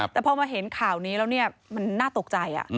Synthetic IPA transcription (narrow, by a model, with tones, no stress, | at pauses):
t̪ɛː˨˩pʰɔː˧maː˧ɦe˩˦nkʰaː˨˩wniː˦˥ɾɛː˦˥wni˥˩ɐma˧nːaː˥˩t̪o˨˩k̚t͡ɕa˧jʔa̰˨˩ʔ